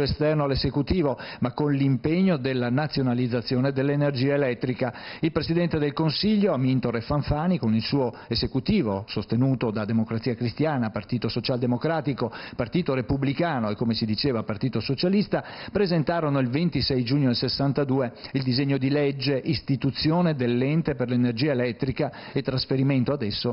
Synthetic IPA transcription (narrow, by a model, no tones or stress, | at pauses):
est̪ɛrnoalːezekut̪iːvomakːonlimpeɲːod̪elːanat̪sːjonalid̪zːat̪sːjoːned̪elːenerd͡ʒiːaelɛt̪ːɾikailpɾesid̪ɛnt̪ed̪elkonsiʎːoamint̪orefaɱfaːnikonilsuːo | ezekut̪iːvosost̪enuːt̪od̪ad̪emokɾat̪siːakɾist̪jaːnapart̪iːt̪osot͡ʃald̪emokɾaːt̪ikopart̪iːt̪oɾepublikaːnoekːomesid̪it͡ʃeːvapart̪iːt̪osot͡ʃalist̪apɾezent̪aːɾonoilvent̪isɛjd͡ʒuːɲːod̪elsesːant̪ad̪uːeild̪izeɲːod̪ilɛd͡ʒːeʔist̪it̪ut̪sːjoːned̪elːɛnt̪eperlenerd͡ʒiːaelɛt̪ːɾika | et̪ːɾasfeɾiment̪oad̪ɛsːo